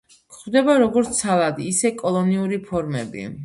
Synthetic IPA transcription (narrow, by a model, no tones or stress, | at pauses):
kχvd̪ɛbaɾɔɡɔɾt̪sʰalˠad̪iːsɛkʼɔlˠɔniuɾipʰɔɾmɛ̰bḭ